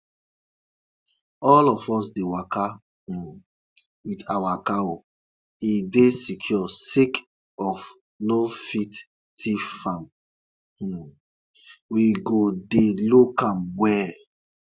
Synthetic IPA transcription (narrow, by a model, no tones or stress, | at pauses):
ɔlɔfɔs̬dewakã | witawakao | idesikʰjɔsik | ɔf | nofit | tʰifãm̩ | wiɡodelokãmwwɛ